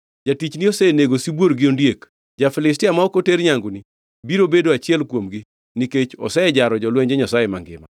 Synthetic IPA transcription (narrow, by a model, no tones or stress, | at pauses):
d͡ʒatit͡ʃniɔsɛneɡosibwoɾɡɪondjek | d͡ʒafɪlɪs̬tɪamaɔkoteɾɲaŋɡuni | biɾobedoat͡ʃɪɛlkwomɡi | niket͡ʃɔ̰sɛɛd͡ʒaɾɔd͡ʒɔlwɛɲd͡ʒɛɲasajemaŋɡɪ̰ma̰